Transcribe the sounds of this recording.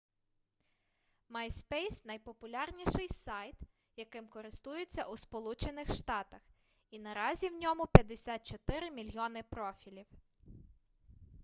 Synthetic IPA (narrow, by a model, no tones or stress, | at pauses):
mɐjspɛjsnɐjpɔpʊlʲɑrnʲiʃɪjsɑjt̪ | jɐkɪmkɔɾɪst̪ujet͡sʲːɐʔuspɔlˠut͡ʃenɪxʃt̪ɑt̪ɐx | inɐɾɑzʲiwnʲɔmʊpʲjɐd̪esʲɑt̪̚t͡ʃɔt̪ɪɾɪmʲilʲjɔnɪpɾɔfʲilʲiw